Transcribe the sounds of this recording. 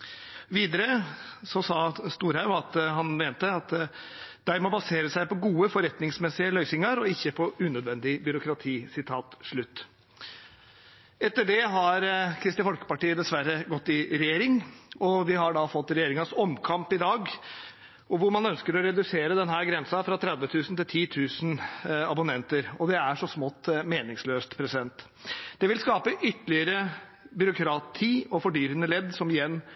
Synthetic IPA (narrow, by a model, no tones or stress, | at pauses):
ʋiːd̪əɾəsɔsɑːst̪uːɾhɑʉɑt̪ɦɑnmeːnt̪əɑt̪ | d̪̥æɾmɔbɑseːɾəsæɪpɔɡuːəfɔɾɛt̪nɪŋsmɛsɪəlœʏsɪŋəɾɔɪçːəpʰɔʉnœd̪ʋɛnd̪ɪbʏɾʊkɾɑt̪ʰiːsɪt̪ʰɑːt̪ʂɭʉt̪ː | ɛt̪ːəɖɛɦɑɾkʰɾɪst̪ɪfɔlkə̥pɑʈiːəd̪ɛsʋæɾəɡɔt̪ːɪɾɛjeːɾɪŋɔʋɪɦɑɖɑfɔt̪ːɾɛjeːɾɪŋɑsɔmkʰɑmpɪd̪ɑːɡ | ɔʋʊɾmɑnœnskəɾɔɾɛd̪ʉseːɾəd̪ɛnhæːɾɡɾɛnsɑfɾɑt̪ʰɾɛd̪ʋət̪ʰʉːsn̩t̪ɪlt̪ʰiːt̪ʰʉːsn̩ɑbʊnɛnt̪əɾɔd̪ɛæʂɔsmɔt̪ːmeːnɪŋsløːst̪pʰɾɛsɪd̪ɛnt̪ | d̪̥ɛʋɪlskɑːpəʔʏt̪ːəlɪəɾə | bʏɾʊkʰɾɑt̪ʰiːɔfɔɖyːɾənəlɛd̪ːsɔmɪjɛnː